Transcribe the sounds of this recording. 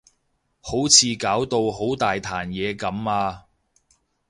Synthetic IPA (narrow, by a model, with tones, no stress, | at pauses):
ho˨˥wt͡sʰiː˧kaː˨˥wt̪o˧wɦo˨˥wt̪aː˨jt̪ʰaː˨˩njɛː˨˧kɐ˨˥maː˧